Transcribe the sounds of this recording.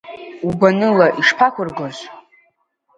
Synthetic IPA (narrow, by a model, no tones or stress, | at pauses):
ubanɨlaʔiʂpʰakʷʰʊrɡozʷ